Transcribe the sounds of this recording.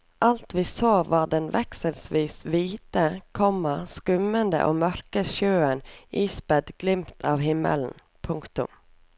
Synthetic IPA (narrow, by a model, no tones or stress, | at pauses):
ʔɑlt̪ʋiːsoːʋɑːɖ̪ɛnʋʔɛksəlsʋiːsʋiːt̪əkʰɔməskʉmənd̪ə̰ʔoːmœɾkəʃjøːənʔiːsbɛd̪ɡlɪmt̪ʰɑːʋhɪmːə̰ln̩ | pʰʊŋkt̪ʊ̰m